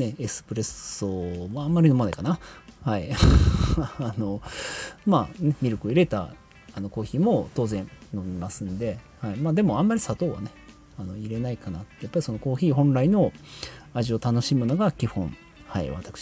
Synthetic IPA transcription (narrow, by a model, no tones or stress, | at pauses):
ne̞esɨ̥pɯ̟ɾe̞somoamːaɾʲino̞manekanahai | no̞ | maːnemʲiɾokɯoiɾe̞t̪a̰ | ano̞ko̞ːçiːmo̞t̪o̞ːzẽ̞nnomʲimasɨ̃nd̪e̞ | haimaːd̪e̞mo̞ãmːaɾʲisat̪o̞ːβa̰ne̞ | ano̞iɾe̞naikana̰t̪japːaɾʲiso̞no̞ko̞ːçiːhõ̞nɾaino̞aʑio̞t̪ano̞ɕimɯ̟noɡakʲihõ̞ɴ | haḭβa̰t̪ḁkɯ̟̥ɕ